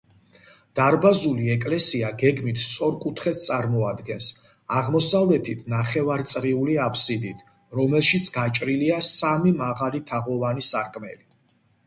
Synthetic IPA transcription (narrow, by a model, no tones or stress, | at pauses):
d̪̥aɾbazuliɛkʼlɛsiaɡɛɡmit̪ʰst̪sʼɔɾkʼut̪ʰχɛt̪̚ʰt̪ʼaɾmɔad̪ɡɛns | aʁmɔsavlɛt̪ʰit̪ʰnaχɛvaɾt̪sʼɾiuliapʰsid̪it̪ʰ | ɾɔmɛlˠʃit̪sʰɡat͡ʃʼɾiliasamimaʁalit̪ʰaʁɔvanisaɾkʼmɛ̰li